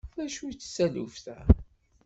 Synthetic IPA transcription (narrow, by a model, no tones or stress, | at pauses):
θæʃut͡sːsːælṵfθæ